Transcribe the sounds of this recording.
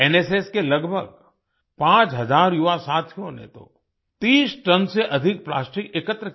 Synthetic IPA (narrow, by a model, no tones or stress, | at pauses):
eːneːseːskelɐɡbʱəɡ̚ | pãːt͡ʃɦɐzaːɾjʊʋasaːt̪ʰɦoːnḛt̪o̰ː | t̪iːsʈənseʔɐd̪ʱɪk̚pla̰ːsʈɪkeːkət̪ːɾə